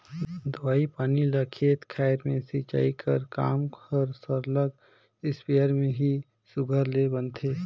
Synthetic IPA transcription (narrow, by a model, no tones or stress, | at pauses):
d̪əwaːipaːniləkʰet̪kʰaɪɾmẽsit͡ʃa̰ːikʰəɾka̰ːmkəɾsəɾləɡ | ɪspejəɾmẽɦi | sʊɡʱəɾlebənt̪ʰe